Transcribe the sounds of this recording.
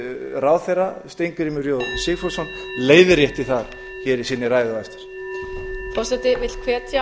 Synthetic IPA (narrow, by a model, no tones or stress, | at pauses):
raːwθejrast̪ejŋkɾimʏɾjoːwsiːfɔsɔn | leːjðɪɾjɛht̪ɪθaɾ̥ | çɛːɾisiːnːɪɾaːjðʏajst̪ɪ̥ɾ̥ | fɔrsɛt̪ɪvɪt̪l̥kʰvɛːt̪a